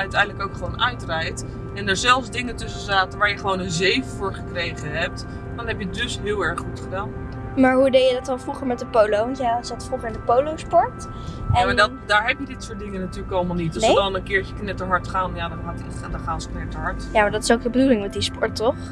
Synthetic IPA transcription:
œɥtɛjndələkowkχəʋownʔœɥtrɛjt | ɛndəːɹzɛlˠfzdɪŋətɵsəzaːtənʋaːɹjəχəʋownənzejfəfʊːɹχəkrejχəɦɛp̚t | d̥ɑnɦɛpjədɵsɦɪːlˠɛɹχːutχədaːn | maːɹɦudejədɑtɑlˠfruχəɹmɛt̚dəpowlowʋɑntjasatəfruχəɹɪndəpowlowspɔɹt | amad | daːɹɦɛpjədɪtsʊːɹt̚dɪŋənatyːɹləkɑlˠmalˠnitdəndɔlˠənkɪːɹcəknɛtəɦɑɹtχaːnjadɔnɦɑt | dχaːnsknɛtəɦɑɹtjamaːɹdɑtɪ̥sowk̚dəbədulɪŋmɛt̚dispɔɹtːɔχ

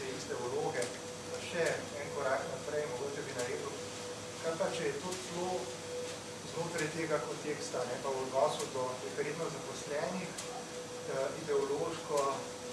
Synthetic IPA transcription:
ɛist̪ɛloːɡɛ | aʃɛ | ɛŋkɔɾaknapɾɛjmɔɡoːt͡ʃɛbinaɾeːd̪uʊ | kaɾpat͡ʃɛjɛt̪oːsloː | znoːt̪ɾajt̪eːɡakɔnt̪eːkst̪anɛpawɔd̪nɔːsud̪ɔɛxaɾeːd̪nɔzapɔslɛːnix | əid̪ɛɔloːʃkɔ

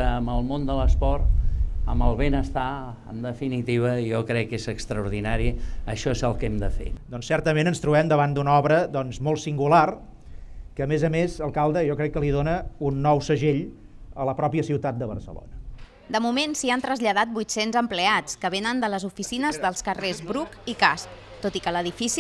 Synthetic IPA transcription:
əəməlˠmond̪ələspɔɾt̪əməlˠβenəst̪a | ə̰md̪əfinit̪iβəjɔkɾɛkːezəkst̪ɾəuɾðinaɾiəʃɔezəlˠkɛmd̪əfḛd̪ɔnsːɛɾt̪əmenənst̪ɾuβɛmd̪əβand̪unɔβɾəd̪ɔnzmɔlˠsiŋɡular | kəːmezəmezəlˠkalˠd̪əjɔkɾɛkːəliðonəunːɔwsəʒeʎələpɾɔpiəsiwt̪at̪̚d̪əβərsə̰lo̰nə | d̪əmumensiant̪ɾəzʎəðat̪̚bujt̪senzəmpleat͡skəβenənd̪ələzufisinəzðəlˠskərezbɾukikasp̚ | t̪ot̪ikələðifis

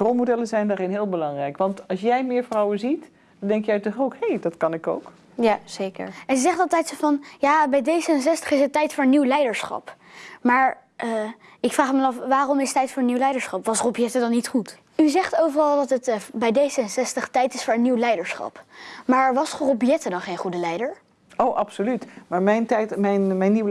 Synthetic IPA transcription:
rolˠmodɛlənzɛjndaːrɪnɦɪːlˠbəlɑŋrɛjkʋɑntɑlˠsjɛjmɪːɹfrɑwənzit | dɑndɛŋkjɛjtɔχowkhejdɑtkɑnɪko̰wk | azekə̰ɹɛnzɛχtɑlˠtɛjtsovɑnjaːbɛjdejzəns̬ɛstəχɪsətːɛjtfʊːɹənːiwlɛjdəɹsχɑ̰p | maːɹ | ʔə | ɪkfraːχməənɑfʋaːrɔmɪsətːɛjtfʊːɹəniwlɛjdəɹsχɑpʋɑsrobjɛtədɑnːitχut | yzɛχtowvərɑlˠdɑtətbɛjdejzəɛnsɛstəχtɛjtɪsfʊːɹənːiwlɛjdəɹsχɑ̰pmaːɹʋɑsrobjɛtədɑnχejnχudəlɛjdəɹ | owʔɑpsolytmaːɹmɛjntɛjtmɛjnmɛjnːiw

